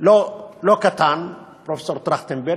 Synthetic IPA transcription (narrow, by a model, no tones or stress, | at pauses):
lolokat̪an | pɾofe̥soɾt̪ɾaxt̪embɛɾ